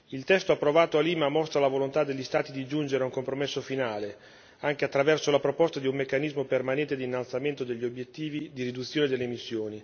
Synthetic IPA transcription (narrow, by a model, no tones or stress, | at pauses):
ilt̪ɛst̪oapːɾovaːt̪oaliːmamɔst̪ɾalavolont̪ad̪ːeʎːist̪aːt̪id̪id͡ʒund͡ʒeɾeauŋkompɾomesːofinaːle | aŋk̟eat̪ːɾavɛrsolapɾopɔst̪ad̪iumːekːanizmopermanɛnt̪ed̪iːnːalt̪sament̪od̪eʎːiobjet̪ːiːvid̪iɾid̪ut̪sːjoːned̪elːeːmisːjoːni